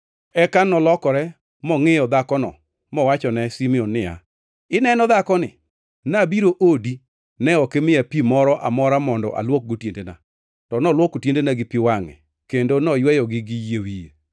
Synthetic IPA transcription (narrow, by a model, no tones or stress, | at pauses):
ɛkanɔlɔkɔɾɛ | mɔŋɪjɔd̪akɔnɔ̰ | mɔwat͡ʃɔnɛsimionːɪa̰ | ɪnɛnɔd̪akɔnɪ̰ | nabiɾoʔodi | nɛɔkɛmɪapimɔɾɔʔamɔɾamɔndɔ̰ʔa̰lwok̚ɡotjendena̰ | tɔnɔlwokotjendenaɡɪpiwaŋɛ̰ | kendonɔjwɛjɔɡɪɡɪjewije